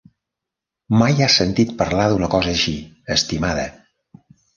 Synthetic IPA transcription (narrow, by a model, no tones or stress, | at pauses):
majasənt̪it̪̚pəɾlaðunəkɔzəːʃiəst̪imaðə